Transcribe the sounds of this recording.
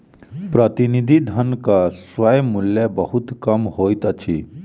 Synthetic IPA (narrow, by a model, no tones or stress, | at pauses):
pɾət̪inid̪ʱid̪ʱənkaswəjmuljəbəɦut̪kɐmɦoːjt̪ət͡ʃʰḭ